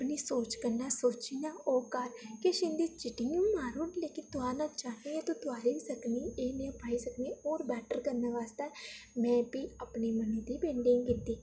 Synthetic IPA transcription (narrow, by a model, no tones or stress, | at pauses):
pniːsoːt͡ʃkəɾnaːsoːt͡ʃiːnaːoːkaɾkeʃɪ̃nd̪iːt͡ʃɪʈɪ̃jũːnaːɾuːnleːkɪnt̪ʊãːnãːt͡ʃaːnẽːeːt̪õːt̪ʊaːɾiːsəkniːeːnẽːpaːiːsəkniːoːɾbɛːʈəɾkəɾnaːʋaːst̪ɛːmɛ̃ːpiːapniːməniːd̪iːbẽːɳɖɪ̃ŋɡkɪt̪ːiː